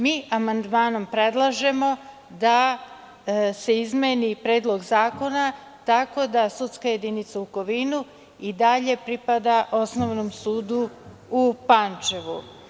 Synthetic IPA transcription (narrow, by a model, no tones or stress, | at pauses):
miːʔamand̪maːno̞mpɾe̞d̪lˠaʒe̞mo̞ | d̪a | se̞izmenipɾe̞ːd̪lˠo̞ɡzaːko̞na | t̪ako̞d̪asut̪skaje̞d̪init̪sauko̞ʋinu | id̪aʎe̞pɾipad̪aʔo̞sno̞ʋnomsuːd̪u | upant͡ʃeʋu